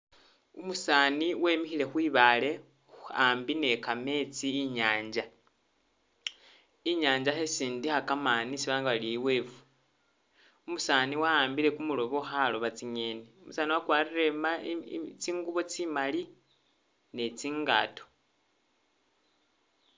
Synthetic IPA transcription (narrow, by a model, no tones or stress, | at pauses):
umusaːniwe̞ːmixile̞xwiːβale̞ | uaːmbine̞kame̞t͡siːɲaːɲd͡ʒa | iɲaːɲd͡ʒaxe̞siːndixakamaːnisiβaːŋɡawaliiwe̞ːvu̥ | umusaːniwaaːmbile̞kumulo̞βo̞xaloβat͡siɲe̞neumusaːniwakwaːrire̞mat͡siːŋɡuβo̞t͡simali | ne̞t͡siːŋɡa̰ːto̥